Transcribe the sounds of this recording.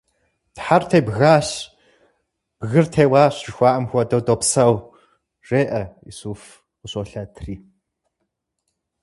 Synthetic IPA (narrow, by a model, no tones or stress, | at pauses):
tħartʰeːbɣaːɕ | b̥ɣɨrtʰeːwaːɕʒɪxʷɑːʔɐmxʷɔdɐwdoːpsɐw | reːʔɐḭsuːf | qʊɕoːɬɐtʰriː